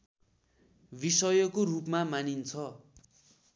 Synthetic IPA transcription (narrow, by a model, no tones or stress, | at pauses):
bisʌjʌkorupmamanint͡sʰʌ